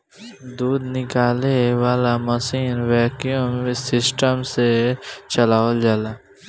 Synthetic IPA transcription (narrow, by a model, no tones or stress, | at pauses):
d̪uːd̪nɪkaːlewaːlamɐsiːnwɛːkijõmsɪsʈəmset͡ʃɐlaːʋəld͡ʒaːlaː